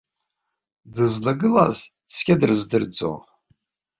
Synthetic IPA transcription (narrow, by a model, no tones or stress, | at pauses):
dɨzlɨɡɨla̰z | skʲadɨrzdɨrd͡zo̰